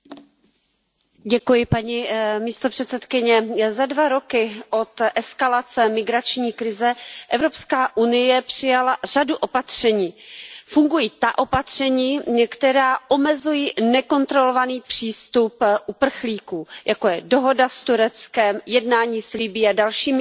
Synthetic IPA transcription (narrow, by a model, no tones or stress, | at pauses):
ɟɛkujɪpaɲimiːst̪opr̥ɛt̪sɛt̪kɪɲɛzadvaɾo̞kɪʔo̞t̪ʔɛskalat͡sɛmɪɡɾat͡ʃɲiːkɾɪzɛʔɛvɾo̞pskaːʔunɪjɛpr̥ɪjalar̝aduʔo̞pat̪r̝̥ɛɲiːfuŋɡujiːt̪aʔo̞pat̪r̝̥ɛɲiːkt̪ɛɾaːʔo̞mɛzujinɛko̞nt̪ɾo̞lo̞vaniːpr̝̥iːst̪upʔupr̩xliːkuːjʔakojɛdoɦo̞dast̪uɾɛt͡skɛmjɛdnaːɲiːslɪbɪːadalʃiːmɪ